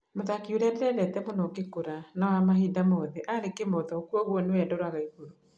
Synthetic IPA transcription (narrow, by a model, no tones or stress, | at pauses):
moðakioɾadɛɾɛɾɛtɛmonɔkekoɾanawamaɦidamɔðɛʔaɾekemɔðɔokwɔɣwɔnewɛdɔɾaɣaiɣoɾo